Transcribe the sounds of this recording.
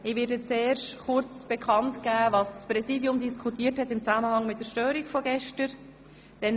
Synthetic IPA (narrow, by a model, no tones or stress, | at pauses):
ɪʋɪːdət͡seːrʃtχʊɾt͡sb̥ɛkʰɑntkæːvɑːsspɾɛsiːdjʊmdiskʰutiːəthɛtɪmt͡sæməhɑŋmɪt̚dəɾʃtøːɾikfɔɡɛʃtəɾ | d̥ɛn